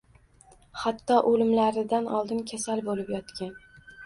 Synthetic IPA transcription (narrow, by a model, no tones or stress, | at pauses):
hat̪ʰːɒʔolɪmlaɾɪd̪anʔɒlˠd̪ɪnkʲʰasalbolɪpjɒt̪kʲan